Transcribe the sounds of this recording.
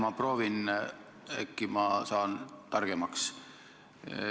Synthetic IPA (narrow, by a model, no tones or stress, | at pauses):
mɑproːʋin | ekːimɑsɑːnt̪ɑrɡ̥emɑks